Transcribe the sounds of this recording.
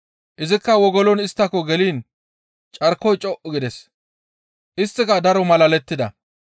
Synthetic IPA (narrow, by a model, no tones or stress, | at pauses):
ʔɪzɪkːɐwɔɡɔlɔnɪst̪ːɐkːɔɡɛliːn | t͡ʃʼɐɾkːɔjt͡ʃʼɔʔʊɡɪd̪ɛs | ʔɪst̪ːɪkɐd̪ɐɾɔmɐlɐlɛt̪ːɪd̪ɐ̰